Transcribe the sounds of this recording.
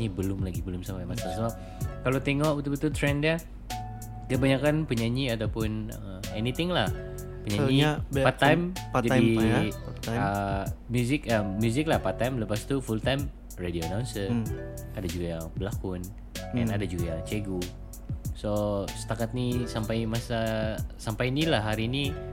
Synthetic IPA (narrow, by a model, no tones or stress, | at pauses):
ɲibəlʊmlaɡibəlʊmsampajmasasɔ | kalot̪eŋɔʔbut̪ubət̪ult̪ɾɛndia | kəbaɲakanpəɲaɲiat̪awpʊnə | enit̪ɪŋlah | pəɲaɲipat̪ːajmd͡ʒadi | əmjuzɪkamjuzɪklahpat̪ːajmləpast̪ufult̪ajm | redionawnsə | adad͡ʒuɡajaŋbəlakʊn | ɛ̰nadad͡ʒuɡajaŋt͡ʃeɡu | sosə̥t̪akat̪̚nisampajmasasampajnilahɦaɾiːni